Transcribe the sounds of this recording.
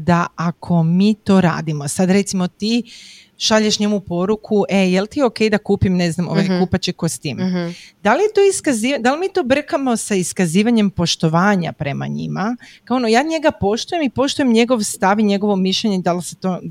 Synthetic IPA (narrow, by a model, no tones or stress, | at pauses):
d̪aʔakʰo̞miːt̪o̞ɾa̰ːd̪imo̞sad̪ɾe̞t̪simot̪iː | ʃaʎeʃɲe̞mupo̞ɾukʰuʔe̞jelt̪ioke̞jd̪akuːpimne̞znamo̰ʋajkupat͡ɕikost̪iːmd̪alijet̪oiskaziːʋd̪alimit̪o̞br̩kamo̞saiskaziːʋaɲe̞mpo̞ʃt̪o̞ʋaːɲa̰pɾe̞ma̰ɲḭmakaonojaːɲe̞ɡapo̞ʃt̪ujemipo̞ʃt̪uje̞mɲe̞ɡo̞ʋst̪aʋiɲe̞ɡo̞ʋomiʃʎeɲeid̪alset̪o